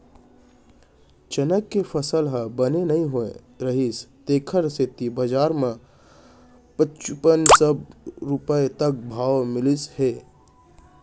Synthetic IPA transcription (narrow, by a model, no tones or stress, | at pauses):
t͡ʃənəkːepʰəsəlɦəbənenəɦĩɦoḛ̃ | ɾəɦist̪eːkʰəɾset̪ibəd͡ʒaːɾmẽ | pət͡ʃupənsəbɾupəet̪ək̚bʱaːʋmɪlishe